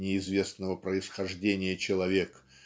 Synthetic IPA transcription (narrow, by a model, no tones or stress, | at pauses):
nʲɪɪzvʲe̞snəvəpɾəɪsxɐʐdʲenʲɪjət͡ɕɪlˠɐvʲek